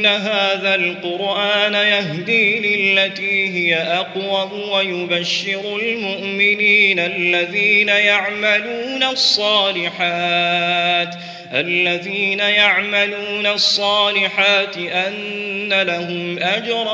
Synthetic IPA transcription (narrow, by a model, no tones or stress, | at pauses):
nːaɦaːðalqʊɾʔaːnajaɦd̪iːlɪlːat̪iːɦɪjaʔɑqwam | wajʊbaʃːɪɾʊlmʊʔmɪniːnalːaðiːnajaʕmaluːnasˤːɑːlɪħaː | t̪ | ʔalːaðiːnajaʕmaluːnasˤːɑːlɪħaːt̪ɪʔanːalaɦʊmʔad͡ʒɾˤ